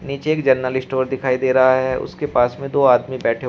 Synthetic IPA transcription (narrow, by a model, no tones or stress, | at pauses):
niːt͡ʃeːkd͡ʒəɾnəlɪsʈoːɾd̪ɪkʰaːid̪eːɾɐɦaɦɛʊ̰skepaːsmẽd̪oːaːd̪mibɛːʈʰe